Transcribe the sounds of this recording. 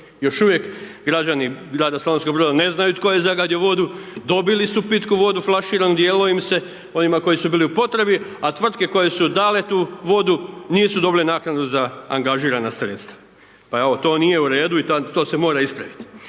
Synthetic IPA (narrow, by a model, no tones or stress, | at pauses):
jo̞ʃuʋje̞kɡɾad͡ʑaniɡɾaːd̪asalonskobɾo̞ːd̪ane̞znajut̪ko̞jezaɡad̪jeʋo̞d̪ud̪o̞bilisupit̪kuʋo̞d̪uflˠaʃiːɾanud̪jeːloimse̞ | o̞nimako̞jisubiːliupo̞t̪ɾe̞biat̪ʋr̩t̪̚ke̞ko̞je̞sud̪aːle̞t̪uːʋo̞d̪uniːsud̪o̞bilenaːknad̪uzaaŋɡaʒiːɾanasɾe̞t̪st̪ḁ | paeot̪o̞ːnije̞uɾe̞ːd̪uit̪at̪o̞ːsemo̞ːɾaispɾaʋit̪i̥